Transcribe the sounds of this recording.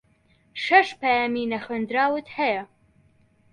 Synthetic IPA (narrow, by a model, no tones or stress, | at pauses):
ʃɐʃpaːjaːminɐxend̪ɾaːwɨt̪hɐjɐ